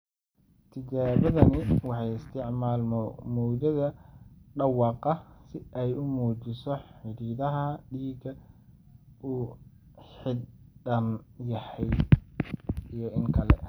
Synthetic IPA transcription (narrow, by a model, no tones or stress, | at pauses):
t̪ʰɪt͡ʃaːβɐðɐnɪwɑħɑjɪst̪ʰɪʕmaːlmɔmɔːdɐðɐɖɑwɑːqɑsɪʔɛjʊmuːt͡ʃɪsɔħɪɾiːðɐɦɐɖiːɡɐ | ʔuː | ħɪddɐnjɐhɛj | ijɔɪŋkʰɐlɛ̰